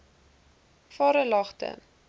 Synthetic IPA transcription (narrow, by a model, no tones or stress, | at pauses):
fɑːɾəlɑχtə̰